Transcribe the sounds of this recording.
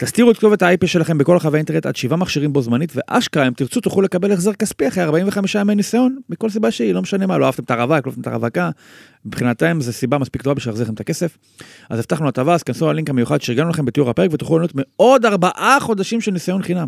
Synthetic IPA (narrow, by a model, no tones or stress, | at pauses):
t̪ast̪iʁuetkt̪o̞vet̪aajpiʃe̞laχe̞mbeko̞laχaveainteʁnet̪a̰d̪ʃivamaχʃiʁimbo̞zmanitve̞ʔa̰ʃkaemt̪iʁt͡sut̪uχule̞kabe̞leχzeʁkaspiaχʁeaʁbaimveχamiʃaamenisajo̞nmiko̞ls̬ibaʃeilo̞meʃane̞malo̞aavt̪e̞met̪aʁavaklotemet̪a̰ʁa̰vaka | mipχinat̪emzesibamaspikto̞vabiʃvilaχzilχemet̪ake̞se̞f | ʔa̰zeftaχnuat̪avaskansnualiŋkamejuχad̪ʃeiʁɡanulaχembet̪iuʁhape̞ʁekvet̪uχlulanot̪meo̞d̪aʁbaʔaχo̞d̪aʃimʃelnisajo̞nχinam